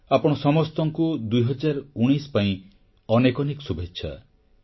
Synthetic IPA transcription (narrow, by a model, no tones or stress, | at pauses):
apɔɽ̃ɔsɔmɔst̪ɔŋkud̪ujɦɔd͡ʒaɾuɽ̃ispaĩ | ɔnekɔniksubetːʃʰa̰